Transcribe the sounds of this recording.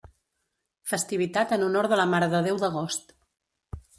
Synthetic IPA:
fəst̪iβ̞it̪at̪ənunoɾðələmaɾəðəðewðəɣ̞ost̪

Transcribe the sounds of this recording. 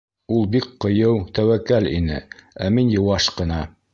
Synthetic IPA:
ulˠbik̚qɤ̆jɤwt̪æwækːælʲḭnɘ̰æminjɤ̆wɑʃqɤ̆nɑ

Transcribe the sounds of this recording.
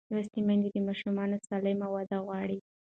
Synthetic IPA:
wast̪imand̪id̪əmɑʃumɑnosɑlɪmawad̪aɣwɑɽi

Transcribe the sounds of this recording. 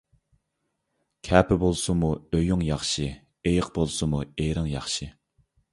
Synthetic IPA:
kʲʰɛːpʰɪbolˠsʊmuøjuŋjɑχʃi | ejəqbolˠsɨmuejɾɨŋjɑχʃi

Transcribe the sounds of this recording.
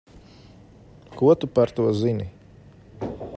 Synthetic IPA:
kuwat̪upaɾt̪awazini

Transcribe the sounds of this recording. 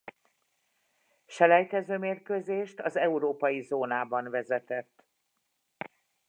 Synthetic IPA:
ʃɛlɛjt̪ɛzøːmeːrkøzeːʃt̪ɒzɛuɾoːpɒjizoːnaːbɒnvɛzɛt̪ɛt̪ː

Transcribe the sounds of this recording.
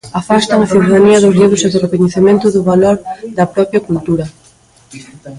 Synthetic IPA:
afast̪ɐŋɐθiuðaðaniɐðʊzʎiβʊseðʊrekoɲeθemẽnt̪ʊðʊβaloɾd̪ɐpɾɔpjɐkult̪uɾɐ

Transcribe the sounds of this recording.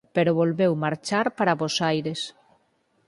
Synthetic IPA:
peɾoβolβɛwmaɾt͡ʃaɾpaɾaβozajɾes

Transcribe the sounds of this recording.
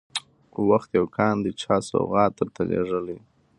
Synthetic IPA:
waxt̪jawkʰɑnd̪ət͡ʃʰɑsa̰wɣɑt̪əɾt̪alḛʐəli

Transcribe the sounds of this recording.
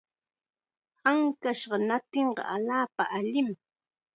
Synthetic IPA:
haŋkaʃɢɑnat̪eɴɢɑ̰ʔaʎaːpa̰ʔaʎɪm

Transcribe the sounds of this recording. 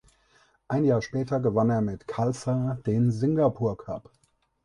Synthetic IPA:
ʔaɪnjaːʃpɛːtɐɡəvaneːɐmɪtkʰalsad̥eːnzɪŋɡapʰuːɐkʰap

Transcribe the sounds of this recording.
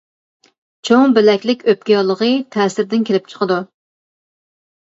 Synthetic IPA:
t͡ʃʰoŋbɪlɛkʲlɪkʲøp̚kʲijɑlˠəʁət̪ʰɛːsɪɾd̪ɪnkʲelɪp̚t͡ʃʰə̥qəd̪u

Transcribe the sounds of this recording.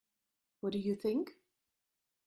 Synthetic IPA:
wʌt̚d̥ɨjɨθɪ̃ŋk

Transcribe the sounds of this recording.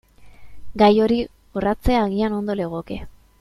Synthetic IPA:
ɡajo̞ɾi | orat͡se̞aːɣiano̞nd̪o̞leɣ̞oke̞

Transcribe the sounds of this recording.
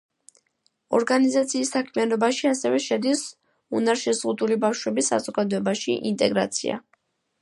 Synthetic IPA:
ɔ̰ɾɡanizat̪sʰiːsːakʰmianɔbaʃiasɛvɛʃɛd̪is | unaɾʃɛzʁud̪ulibafʃwɛbisa̰zɔɡad̪ɔɛbaʃḭʔint̪ʼɛɡɾa̰t̪sʰḭa̰

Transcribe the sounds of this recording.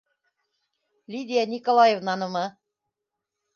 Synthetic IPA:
lʲid̪ʲijanʲikolˠɑjevnɑnɤ̆mɤ

